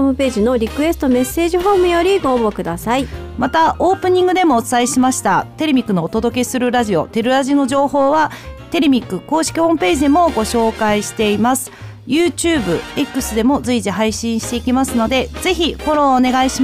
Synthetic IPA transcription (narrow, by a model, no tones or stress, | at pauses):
oːmɯ̟pe̞ːʑino̞ɾʲikɯ̟e̞sɨ̥t̪o̞me̞se̞ːʑiɦo̞ːmɯ̟jo̞ɾʲiɡoːbokɯ̟d̪asai | mat̪aʔoːpɯ̟ɲ̟ĩŋɡɯ̟d̪e̞mo̞ːt͡sɨ̥aiɕimaɕi̥t̪at̪e̞ɾʲemʲikːɯ̟no̞ːt̪o̞d̪o̞ke̞sɨɾɯ̟ɾaʑio̞t̪e̞ɾɯ̟ɾaʑino̞ʑo̞ːho̞ːβat̪e̞ɾʲemʲikːɯ̟ko̞ːɕi̥kʲiho̞ːmɯ̟pe̞ːʑid̪e̞mo̞ɡo̞ɕo̞ːkaiɕi̥t̪e̞imasɨ̥ | jɯːt͡ɕɨɯːbɯ̟̰e̞kːɯ̟sɨd̪e̞mo̞zɨiʑiɦaiɕĩɰ̃ɕi̥t̪e̞ikʲimasɨno̞d̪e̞z̥e̞çiho̞ɾo̞ːne̞ɡaiɕi